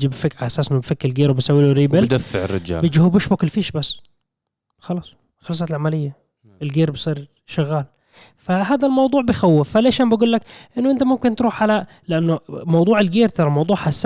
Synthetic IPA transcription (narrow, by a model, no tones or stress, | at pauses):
d͡ʒibfɪkʕaʔasaːsnːʊbfɪkːɪlɡeːɾwbɪsawːiːluɾiːbɪld̪afːɪ̰ʕɪ̰rːɪ̰d͡ʒa̰ːbɪd͡ʒihubɪʃbʊklfiːʃbasː | xɑlɑːsˤ | xɑlsˤɑt̪lʕamalɪjːa | ɪlɡeːɾbsˤiːɾ | ʃaɣːaːl | faɦaːd̪almɑwd̪ˤuːʕbɪjxawːɪfːaleːʃaːnmbaɡuːlːakʔɪnːʊʔɪnt̪amʊmkɪnt̪ɾuːħʕala | lɪʔanːʊmɑwd̪ˤuːʕɪlɡeːɾt̪ɑɾˤɑmɑwd̪ˤuːʕħasːa